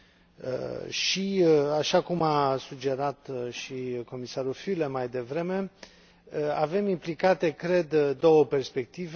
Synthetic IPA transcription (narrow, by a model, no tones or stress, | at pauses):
ə̰ʃiaʃakumasud͡ʒe̞ɾat̪ʃiko̞misaɾufylemajd̪e̞vɾe̞me̞ | əave̞mimplikat̪e̞kɾe̞d̪d̪o̞wəpe̞rspe̞k̚t̪iv